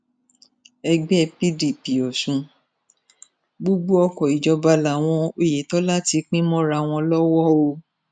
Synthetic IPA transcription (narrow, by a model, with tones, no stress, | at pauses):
ɛ˧ɡ͡bɛ˦˧˨pi˦di˨pi˨ɔ˨ʃũ˨˧ | ɡ͡bo˦ɡ͡bo˦ɔ˧kɔ˨i˨d͡ʒɔ˧ba˧la˨w̃ɔ̃˧o˨je˨tɔ˨˦la˦ti˧k͡pĩ˦mɔ̃˦ɾa˧˨w̃ɔ̃˧lɔ˦wɔ˦o˧